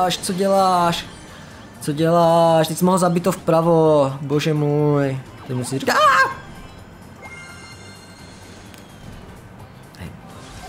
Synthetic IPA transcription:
ʃt͡sɔɟɛlaːʃ | t͡sɔɟɛlaːʃt̪ɛcʲsimɔɦlzabit̪ɔfpɾaʋɔbɔʒɛmuj | t̪ɛɟmusiɾikaa | hɛ̰j

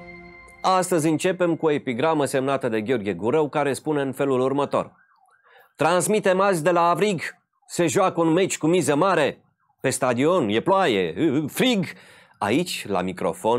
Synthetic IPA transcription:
ast̪əzʲɨnt͡ʃe̞pe̞mkuo̞e̞piɡɾaməse̞mnat̪əd̪e̞ɡʲeo̞rɡʲie̞ɡuɾəwkaɾe̞spune̞ɨnfe̞lulurmət̪o̞̰r | t̪ɾansmit̪e̞malzʲd̪e̞laːvɾiɡ | se̞ʒuakəunme̞t͡ʃʲkumizəmaɾe̞ | pe̞st̪ad̪io̞nje̞ploajḛfɾiɡ | ait͡ʃʲla̰mikɾo̞̰fo̞n

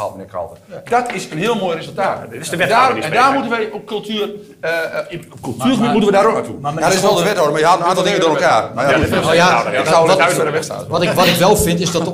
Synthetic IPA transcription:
ɔ̰dənɛkɔ̰lˠtəd̥ɔtɪsənhɪəlˠmojrezəlˠtaːtɛdaɛndaːrmutənʋəjokølˠtʰyːər | əpkølˠtyːrxəbitmutəʋədaɾojadtɪsʋɛlˠdəʋɛthoːdəmajəɦatnaːntɔlˠdɪŋədoːɾəlˠkaːrmajaaɪksawəlɔtɛdəʋɛsta̰ʋɔtɪkʋɔtɪkʋɛlˠfɪntɪsdɔtə

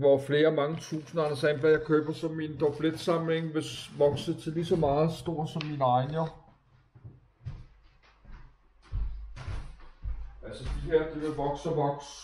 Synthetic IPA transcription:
ʋɒfle̝ːɐmɑ̈ŋət͡sʰṵːsn̩ɐɑnɐsænʋæjɑ̈ɪkʰøːb̥ɐsɒ̽mind̥ɒb̥led̥sɑ̈mle̝ŋʋe̝sʋɒ̽ɡ̥sət͡sʰe̝lisɒ̽mɑ̈ːð̩ˠsd̥o̝ɐ̰sɒ̽mːinɑ̈ɪnɐ | ælsəd̥iɦeɐ̰d̥iʋe̝lʋɒ̽ɡ̥sɒʋɒ̽ɡ̥s

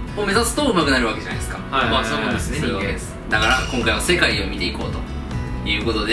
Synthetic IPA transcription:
ome̞zasɨ̥t̪oɯ̟makɯ̟naɾɯ̟βake̞d͡ʑana̰jd̪esɨ̥kaasamonsoβakekeesɨ̥d̪akaɾakõ̞ŋkaiβase̞kaiomʲit̪e̞iko̞̰ːt̪o | jɯ̟ːko̞t̪o̞d̪e

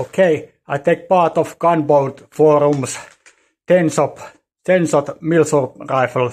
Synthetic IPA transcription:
oʊkʰeɪ | aɪt̪eɪk̚pɑːt̪ɔfɡ̥ʌ̃nboʊltfɔːɾũms | t̪ɛ̃nsɔp | t̪ɛ̃nsɔt̪milsɔpraɪfəl

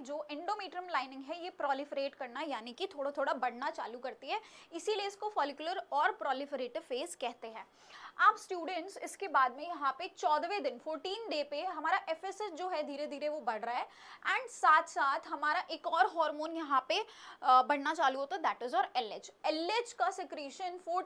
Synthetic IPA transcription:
d͡ʒoːʔɛ̃ɳɖoːmiːʈɾə̃mlaːɪnɪ̃ŋɡɦɛjepɾɔːlɪfəɾeːʈkɐɾnajaːnikit̪ʰoːɽat̪ʰoːɽabɐɽ̤nat͡ʃa̰ːlukɐɾt̪iɦɛɪsileɪskofɔːlɪkjʊləɾɔːɾpɾɔːlɪfəɾeːʈɪfeːzkɛɦt̪eɦɛ̃ː | aːpsʈjuːɖə̃ɳʈsɪ̰skebaːd̪mẽjɐɦãpet͡ʃɔːd̪ʋẽd̪ɪnfoːɾʈiːnɖeːpeɦɐmaːɾaʔɛfɛsəʈd͡ʒoːɦɛd̪ʱiːɾed̪ʱiːɾeʋobɐɽ̤ɾaɦɛː | ɛ̃ːɳɖsaːt̪ʰsaːt̪ʰɦɐmaːɾaʔeːkɔːɾɦɔːɾmoːnjɐɦãpebɐɽnat͡ʃaːluɦoːt̪aɛd̪æːʈɪzɔːɾɛled͡ʒɛled͡ʒkasɪkɾeːʃənfoː

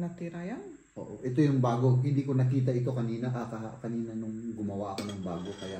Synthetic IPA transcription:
nɐt̪iɾajan | ʔo̰ːʔoʔɛt̪o̞jʊŋbaːɡo̞hɪnd̪iːkonɐkiːt̪̬ɐʔɪt̪o̞kɐniːnɐʔakɐkɐniːnɐnʊŋɡʊmɐwaʔɐko̞nɐŋbaːɡo̞kɐjaʔ

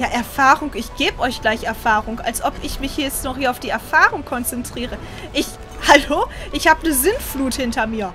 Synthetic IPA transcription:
jaːʔɛɐfaːʁʊŋɪçɡ̥eːbəʔɔʏçɡ̥laɪçɛɐfaːʁʊŋa̰lsʔɔpɪçmɪçjɛt͡stnɔχhiːɐaʊfd̥iːɛɐfaːʁʊŋkʰɔnt͡sɛntʁ̥iːʁə | ʔɪç | haloːʔɪçhaːbənəzɪnfluːthɪntɐmiːɐ

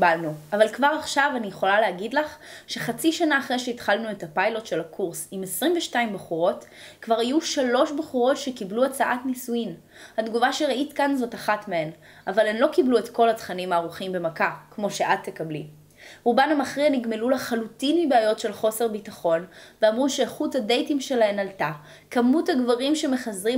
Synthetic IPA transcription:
balnuavalkvaʁaχʃavanijeχo̞laleaɡidlaχʃe̞χat͡siʃanaːχʁejʃeitχalnue̞tapajlo̞tʃe̞lakʰuʁsimesʁimveʃtaimbaχuʁo̞t | kvaʁajuʃalo̞ʃbeχuʁo̞tʃekibluat͡saʔatnisuin | hadɡuvaʃeʁaʔitkanzo̞taχatmeen | avalenlo̞kibluetko̞latχanimaːʁuχimbe̞makakmo̞ʃe̞ʔatːe̞kabli | ʁubanamaχʁianiɡme̞lulaχalutinmibeajo̞tʃe̞lχo̞se̞ʁbitaχo̞nveamʁuʃeχuthade̞jtimʃe̞laenalta | kamuthaɡvaʁimʃe̞me̞χazʁi

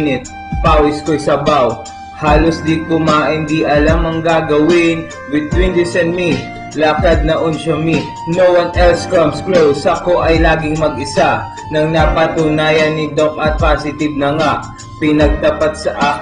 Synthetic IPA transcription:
nɪt̪̚ | paːwɪskosɐbaw | haːlosd̪ikʊmaɪnd̪iʔɐlamɐŋɡaːɡɐwɪn | wɪd̪̚wɪnd̪ɪsɛnd̪mi | laːkɐd̪̚nɐʔonʃɐmi | nowɐnʔɛlskamsklowsɐko̞ʔɐjlaːɡɪŋmɐɡɪsa | nɐŋnapɐt̪ʊnaːjɐnːid̪okʔɐt̪̚pasɪt̪ɪb̚nɐŋaʔ | pɪnɐɡ̚t̪ɐpat̪̚sɐʔa

